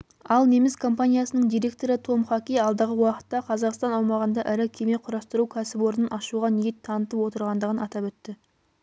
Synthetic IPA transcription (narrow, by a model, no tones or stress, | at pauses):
ɑlˠne̞mɪskʰo̞mpanʲijasənəɴd̪ijɾe̞kt̪o̞ɾət̪ʰo̞mχɑkʲijɑlˠd̪əʁəwɑqə̥t̪ːɑqʰɑzɑqst̪ɑnɑwmɑʁənd̪ɑʔɪɾɪkʲʰe̞meqʰʊɾɑst̪əɾukʲʰæsɪpwo̞ɾənənɑʃuʁɑnijet̪ʰːɑnət̪əpwo̞t̪əɾʁɑnd̪əʁənɑt̪ɑpɵt̪ːɪ